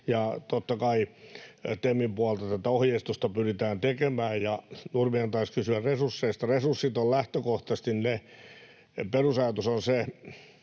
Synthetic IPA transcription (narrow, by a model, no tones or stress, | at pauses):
jɑt̪ot̪ːɑkɑi | t̪emːimpuɑlt̪ɑt̪æt̪æohjeist̪ust̪ɑpyrit̪æːnt̪ekemæːjjɑnurmiɑnt̪ɑiskysyærresursːeist̪ɑresursːit̪ollæht̪økoht̪ɑst̪inne | perusɑjɑt̪usonse